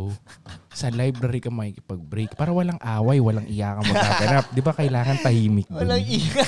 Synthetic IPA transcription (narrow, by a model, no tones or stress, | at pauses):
sɐlajbɾɐɾikɐmɐikɪpɐɡ̚bɾejk̚paːɾɐwɐlaŋʔaːwɐjwɐlaŋʔɪjaːkɐmmɐkkaːɡɐnap̚d̪ɪbakɐjlaːŋɐnt̪ɐhiːmɪk̚wɐlɐŋiːɾɐ